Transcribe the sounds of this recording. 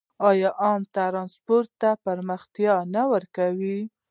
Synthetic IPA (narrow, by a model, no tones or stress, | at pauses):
ɑjɑʔɑmt̪aɾɑnspoɾt̪ːapaɾməxt̪jɑnawəɾkawi